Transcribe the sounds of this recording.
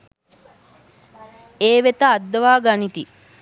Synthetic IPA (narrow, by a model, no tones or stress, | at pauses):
eːʋet̪ɐːd̪ːɐʋaːɡanit̪i